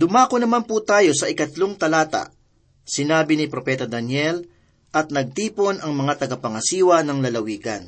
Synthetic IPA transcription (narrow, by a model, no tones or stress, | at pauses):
d̪ʊmaːkonɐmanput̪aːjo̞sɐɪkɐt̪loŋt̪ɐlaːt̪ɐ̰ʔ | sɪnaːbɪnɪpɾopɛːt̪ɐd̪ɐnjɛl | ʔɐt̪̚nɐɡ̚t̪iːpo̞nɐŋmɐŋat̪ɐɡɐpɐŋɐsiːwɐnɐŋlɐlɐwiːɡɐ̰n